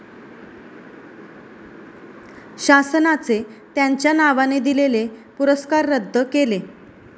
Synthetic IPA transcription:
ɕasənat͡set̪jaɲt͡ɕjanaʋaned̪ilelepuɾəskaɾːəd̪ʱːəkele

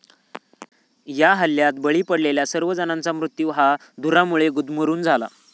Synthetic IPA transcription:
jaɦəljat̪bəɭiːpəɽleljasəɾʋəd͡zənãnt͡samɾut̪juːɦa | d̪uɾamuɭeɡud̪ʱməɾuːnd͡zʱala̰

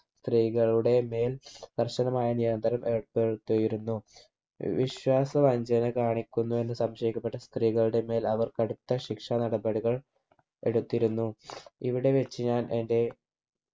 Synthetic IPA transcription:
st̪riːɣɐɭuɽe̞me̞ːld̪̥ɐrɕɐnɐmaːjɐnijɐnd̪ɐɾɐmeɽpeɽut̪ːujiɾunːu | ʋiɕwaːsɐʋɐɲd͡ʑɐnɨkaːɳikʲːunːue̞nːɨsɐmɕɐjikʲːɐpːe̞ʈːɐst̪riːɣɐɭuɽe̞me̞ːlɐʋɐrkɐɽut̪ːɐɕikʂanɐɽɐbɐɽiɣɐɭ | e̞̰ɽut̪ːiɾunːuḭʋiɽe̞ʋet͡ɕːɨɲaːnʔe̞nde̞

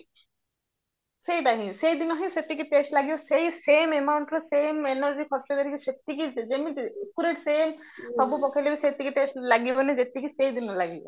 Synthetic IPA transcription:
sejd̪aɦĩsejd̪inɔɦĩset̪ːikiʈeːsʈlaɡibɔsejseːmemawɳʈɾɔseːmenəɾd͡ʒikʰɔsʈed̪eɾikiset̪ːikid͡ʒemikuɾeʈseːm | sɔbupɔkʰelebiset̪ːikiʈeːsʈlaɡibɔned͡ʒet̪ːikisejd̪inɔlaɡibɔ̰

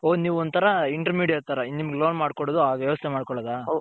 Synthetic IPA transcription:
oːniːʋuɔnt̪ʰɐɾɐiɳʈɐɾmiːɖijɐt̪aɾɐnimɐɡeloːnmaːɽkɔɽod̪uɦaːɡʋjɛʋɐst̪ʰɛmaːɖkɔɭɐd̪aː

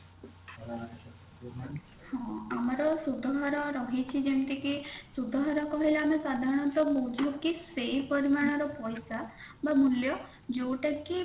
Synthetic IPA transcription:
hɔ̃amaɾɔsud̪ʱaɦɔɾɔɾɔɦit͡ʃʰid͡ʒemʈ̪ikisud̪ʱaɦɔɾɔkɔɦileamesad̪ʱaɾɔɽ̃ɔnt̪ɔbod͡ʒʱɔkisejpɔɾimaɽ̃ɔɾɔpɔjsabamuljɔ | d͡ʒowʈaki

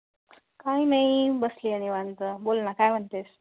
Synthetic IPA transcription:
kainajibəslianiʋãnt͡səbolnakajm̤ʱəɳt̪es

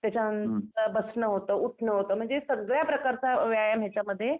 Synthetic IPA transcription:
t̪jat͡ɕanənt̪əɾbəsnəɦot̪əuʈʰnəɦot̪əːm̤əɳd͡zesəɡɭjapɾəkaɾt͡saʋjajamɦjat͡ɕaməd̪ʱːje

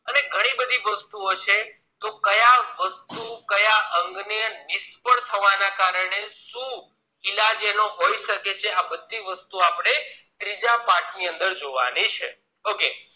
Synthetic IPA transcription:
əneɡʱəɽ̃ibəd̪ʱiʋəst̪uot͡ʃʰe | t̪okəjaʋəst̪ukəjaʔəŋɡnənɪspəɳt̪ʰəʋanakaɾəɽ̃eʃũ | ɪlad͡ʒenoɦoiʃəket͡ʃʰeabəd̪ʱːiʋəst̪uapɽ̃et̪ɾid͡ʒapãʈniənd̪əɾd͡ʒoʋa̰nit͡ʃʰe | oke

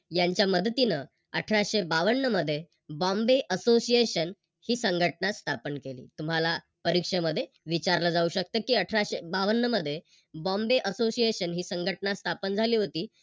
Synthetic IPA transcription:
jaɲt͡ɕjaməd̪ət̪inə | əʈʰɾaɕebaʋəɳːəməd̪ʱːje | bɔ̃mbeʔəsosijeɕən | hiːsəŋɡʱəʈnast̪ʰapənkelḭːt̪um̤ala | pəɾikʂeməd̪ʱːje | ʋit͡ɕaɾləd͡zauɕək̚t̪əːkiːəʈʰɾaɕebaʋəɳːəməd̪ʱːje | bɔ̃mbeʔəsosieɕənɦiːsəŋɡʱəʈnast̪ʰapənd͡zʱaliːɦot̪iː

